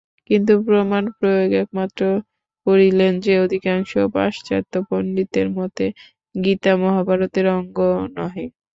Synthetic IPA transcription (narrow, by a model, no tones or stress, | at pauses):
kint̪̬upɾomanpɾojoɡɛk̚mat̪ːɾo | koɾilend͡ʑeod̪ʱikaŋʃopa̰ʃt͡ɕat̪ːopoɳɖit̪eɾmɔt̪e | ɡit̪amɔɦabʱaɾot̪eɾɔŋɡonɔɦi